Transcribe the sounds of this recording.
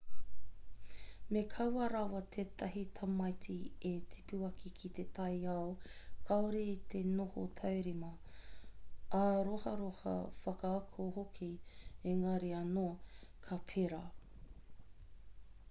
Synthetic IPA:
mekʰɐwɐɾɐwɐt̪ʰeːt̪ʰɐɦit̪ʰɐmɐjtietʰi̥puɐkʰikʰit̪et̪ʰɐjaokʰɐoɾeit̪ʰe̞noho̰tʰɐwɾimɐ | aɾohɐɾohɐ̰fɐkɐːkʰohokʰieŋɐɾeɐnokʰɐpʰeɾa

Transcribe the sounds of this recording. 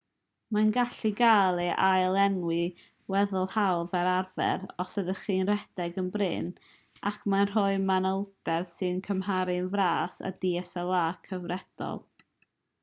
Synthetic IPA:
manɡaɬiɡalˠɛʔajlˠɛnwi | wɛðʊlˠhawvɛɾarvɛ̰ɾɔsəðəχiːnrɛdɛɡənbrɪ̰n | a̰kʰmanr̥ɔɨmanəlˠdɛrsɨnkʰəmɦaɾɨnvraːsa̰diɛsəlˠaːkʰəvrɛd̥ɔ̰lˠ

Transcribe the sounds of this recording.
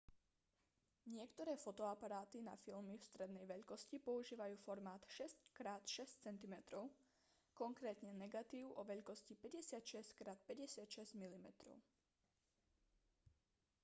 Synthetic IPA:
ɲɪɛkt̪ɔɾɛːfɔt̪ɔapaɾaːt̪ina̰filmifst̪ɾɛd̪nɛjʋɛʎkɔscipɔuʒiːʋajuːfɔɾmaːt̪ʃɛsckɾaːt̪ʃɛst͡sɛnt̪imɛt̪ɾɔʊ | kɔŋkɾɛːt̪ɲɛnɛɡat̪iːʊʔɔʋɛʎkɔscipɛɟɛsɪat̪ʃɛsckɾaːt̪̚pɛɟɛsɪat̪ʃɛz̥ɟmilimɛt̪ɾɔ̰ʊ

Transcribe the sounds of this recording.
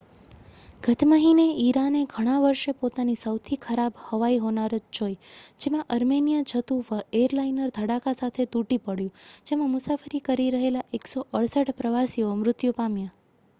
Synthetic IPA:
ɡ̥ʱət̪ʰməɦineiɾaneɡʱəɽ̃ãʋəɾʃepot̪anisəwt̪ʰikʰəɾabhəʋaiɦonaɾod͡ʒt͡ʃojd͡ʒemãʔəɾmenijad͡ʒʰʱət̪uʋəeɾlainəɾd̪ʱəɽakasat̪ʰet̪uʈipəɽjũd͡ʒemãmʊsafəɾikəɾiɾəɦelaʔeksoʔəɽsəʈpɾəʋasiomɾʊt̪jupamja

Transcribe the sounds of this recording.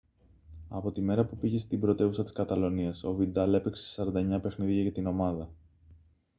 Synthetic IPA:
ɐ̰po̞t̪ime̞ɾɐpupiʝe̞st̪imbɾo̞t̪e̞vusɐt̪i̥skɐt̪ɐlo̞niɐso̞vid̪ɐle̞pe̞kse̥sɐɾɐnd̪ɐeɲɐpe̞xniðʝɐʝɐt̪ino̞mɐðɐ

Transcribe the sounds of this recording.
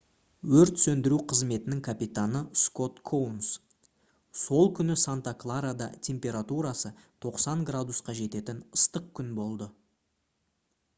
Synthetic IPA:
wɵɾt̪sɵnd̪ɪɾuqʰəzme̞t̪ɪnɪŋkʰapijt̪anəsko̞t̪kʰowns | so̞lˠkʲʰʏnɪsant̪aklˠaɾad̪ɑ̰t̪ʲʰe̞mpʲe̞ɾat̪uɾɑsət̪ʰo̞qsɑŋɡrad̪usqɑʒe̞t̪e̞t̪ɪnəst̪əq̚kʲʰʏnbo̞lˠd̪ə

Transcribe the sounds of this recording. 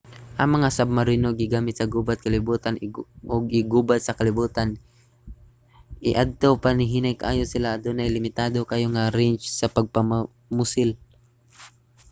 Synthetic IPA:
ʔɐŋmɐŋasab̚mɐɾinoɡɪɡaːmɪt̪sɐɡuːbat̪̚kɐlɪbuːt̪anʔoɡɪɡuːbat̪̚sɐkɐlɪbuːt̪an | ʔɪʔad̪̚t̪opanɪɦiːnajkɐʔaːjosɪlaːd̪onajlɪmɪt̪aːd̪okajoŋaɾɛnt͡ʃsɐpɐɡ̚pɐm | mʊsɪl

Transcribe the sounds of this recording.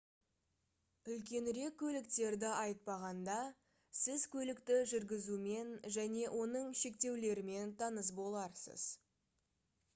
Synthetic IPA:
ʏlkʲe̞nɾe̞kʲːʰɵlɪkt̪e̞ɾd̪ɪɑjt̪̚pɑʁɑnd̪ɑ | sɪzkʲʰɵlɪkt̪ɪʒʏɾɡʲɪzume̞nʒæne̞ʔwʔo̞nəɴʃe̞k̚t̪e̞wle̞ɾɪme̞nt̪ʰɑnəs̬bo̞lˠɑɾsə̰z̥

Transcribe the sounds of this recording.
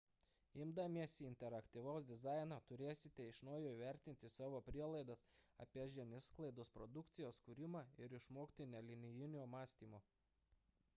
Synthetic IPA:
ɪmd̪ɐmʲiɛsʲiɪnʲt̪ʲɛɾɐkt̪ʲiːʋɒʊs̬d̪ʲɪzɑˑɪnoːt̪ʊɾʲeːsʲɪt̪ʲɛɪʃnɔːjoːiʋʲæˑɾʲt̪ʲɪnʲt̪ʲɪsɑːʋoːpʲɾʲiɛlˠɐɪd̪ɐsɐ̰pʲiɛʒʲɛnʲɪsklˠɐɪd̪oːspɾɔd̪ʊkt̪sʲɪjoːskʊɾʲɪmɑɪɾɪʃmoːkt̪ʲɪnʲɛlʲɪnʲɪjɪnʲuːmɑːsʲt̪ʲiːmoː

